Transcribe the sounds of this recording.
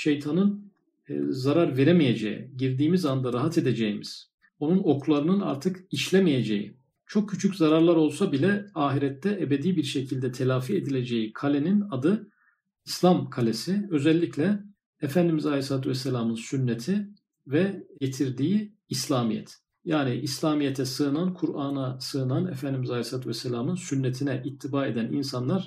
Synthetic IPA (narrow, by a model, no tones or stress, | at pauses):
ʃe̞jt̪ʰanɯn | zaɾaɾve̞ɾemije̞d͡ʒḛjḭɟiɾd̪iːmizand̪aɾaɦat̪ʰe̞d̪e̞d͡ʒejimiz̥ | o̞nuno̞kʰlˠaɾɯnɯna̰ɾt̪ʰɯkiʃlʲemije̞d͡ʒḛjḭ | t͡ʃʰo̞k̚cʰːyt͡ʃʰycʲzaɾaɾlˠaɾo̞lˠsabilʲɛaːɦiɾɛt̪ʰːɛʔebed̪iːbiɾʃecʰilʲd̪ɛt̪ʰe̞lʲaːfied̪ilʲe̞d͡ʒe̞jikʰalʲeninad̪ɯ | islʲamkʰalʲe̞siø̞zɛlʲːiclʲɛː | fænd̪imizalʲesaːt̪ʰuvɛsːelʲamɯnsynːet̪ʰi | vɛɟe̞t̪ʰiɾd̪iːiː | slʲaːmijɛ̰t̪ | jaːniʔislʲaːmijet̪ʰɛsɯɯnankʰuɾaːnasɯɯnanɛfænd̪imizalʲesaːt̪ʰuvɛsːelʲaːmɯnsynːet̪ʰinɛʔit̪ʰːibaːed̪ænḭnsanlˠaɾ̥